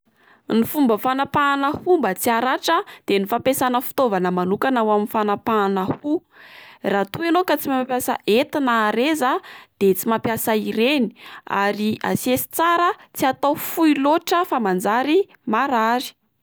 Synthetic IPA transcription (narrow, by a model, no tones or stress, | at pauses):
nifumbəfanapanəhumbat͡siaɾaʈ͡ʂəd̪̥enifapesanəfi̥t̪ovanəmanukanawaminfanapaanəhu | rat̪uenokat͡simapjasa̰ʔet̪inaɾezad̪̥et͡simapjasaiɾeni̥a̰ɾia̰siesi̥t͡saɾət͡siat̪awfuiloʈ͡ʂəfamand͡zaɾi | maɾaɾi̥